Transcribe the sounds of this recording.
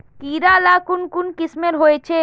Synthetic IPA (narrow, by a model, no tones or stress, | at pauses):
kiːɾalaːkʊnkʊnkɪsmeɾɦoet͡ʃʰe